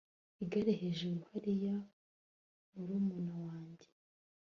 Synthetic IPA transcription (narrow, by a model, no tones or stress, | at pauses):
iɡaɾeɦeʒuɾuhaɾija | muɾuːmunawaːɲɟe